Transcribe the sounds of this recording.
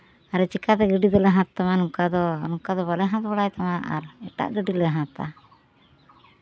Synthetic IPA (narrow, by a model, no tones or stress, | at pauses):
aɾɛt͡ʃikat̪ɛɡəɖid̪ɔlɛɦãt̪ːamanukad̪ɔnukad̪ɔβalɛɦãt̪baɽajt̪amaʔa̰ɾɛʈa̰ʔɡəɖilɛɦãt̪a̰